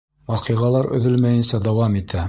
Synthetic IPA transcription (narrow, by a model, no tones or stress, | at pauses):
wɑqɤʁɑlˠɑɾɵ̰̆ðɘlmæjɘ̆nsɑd̪ɑwɑmit̪ʰæ